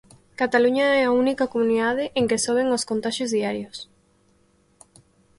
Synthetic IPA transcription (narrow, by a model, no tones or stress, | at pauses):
kat̪aluɲɐɛaunikakomũniðaðeʔeŋkesoβeŋoskont̪aʃjozðiaɾjos